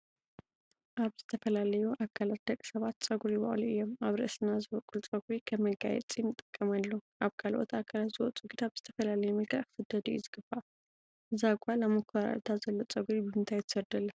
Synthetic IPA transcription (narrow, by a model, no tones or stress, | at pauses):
ʔaβzɨt̪ʰɐfɐlalɐjuʔakʰːalat̪̚d̪̥ɐkʼsɐβat̪t͡sʼɐɡuɾiiβɐ̰ʔʼluʔɨjːomaβɾɨ̰ʔɨsɨnːazɨβɐkʼult͡sʼɐɡuɾikʰɐmːɐɡa̰jɛ̰t͡sʼinɨt̪ʼːɨkʼːɐmalːoʔaβkʰalʔot̪ʰakʰalat̪z̥ɨwɔt͡sʼuɡid̪ʰaβz̥ɨt̪ʰɐfɐlalɐjumɐlkʰaʔkʰɨ̥fɨd̪ɐd̪ujṵzɨɡ̥ɨba | ɨzaɡʷalamɐkʰaɾa̰lt̪ʰazɐlːot͡sʼɐɡuɾibɨmɨnt̪ʰajt̪ʰɨ̥sɐɾd̪ɐlːɐ